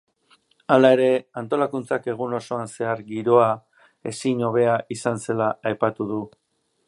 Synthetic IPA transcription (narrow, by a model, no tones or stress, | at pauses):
alae̞ɾe̞ant̪o̞lakunt͡sake̞ɣ̞uno̞so̞anse̞aɾɡiɾo̞a | e̞siɲo̞β̞e̞aʔisanse̞laajpat̪uðu